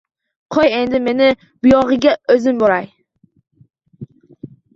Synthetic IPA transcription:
qʰoje̞nd̪ɪme̞nɪ | bʊjɒʁɨɡʲaɵzɪmboɾaj

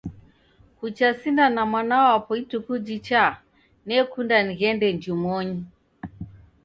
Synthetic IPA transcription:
kut͡ʃasindanamwanawapɔitukud͡ʒit͡ʃa | nɛkundaniɣɛndɛɲd͡ʒumɔɲi

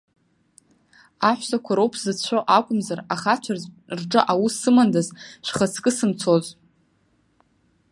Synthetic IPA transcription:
aħʷsakʷʰaɾowpʰz̥ɨt͡ɕʷʰoʔakʷʼʊmzaraχat͡ʃʷʰar | rʈ͡ʂʼɨʔawussɨmandazʃʷᶣχət͡sʰkʼɨsɨmt͡sʰozʼ

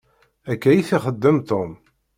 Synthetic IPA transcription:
ækːæjiθiχəd̪ːəmt̪om

